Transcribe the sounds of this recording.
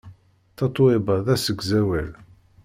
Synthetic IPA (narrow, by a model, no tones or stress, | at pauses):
θɑt̪ˤːoebɑðæsəɡzæwæl